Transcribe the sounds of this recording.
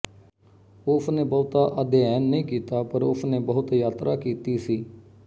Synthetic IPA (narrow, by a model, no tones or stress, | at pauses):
ʊsʰneːbɔːʊt̪aːʔəd̪eːɛːnːəĩːkiːt̪aːpəɾʊsneːbəɦʊt̪jaːt̪ɾʔaːkiːt̪iːsiː